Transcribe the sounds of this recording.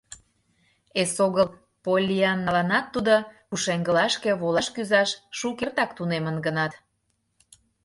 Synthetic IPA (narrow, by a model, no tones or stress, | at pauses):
esoɣəl | polʲːiɑnːɑlɑnɑt̪ːud̪o | uʃeŋɡəlɑʃkeβolɑʃkyzɑʃʃukert̪ɑkt̪unemənɡənɑt̪